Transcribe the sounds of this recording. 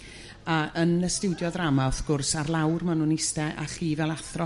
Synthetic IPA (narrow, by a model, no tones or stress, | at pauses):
aənəstɪwdjɔðramaɔθɡ̥ʊrsarlˠawrmanunɪstɛʔa̰χiːvɛlˠaθrɔ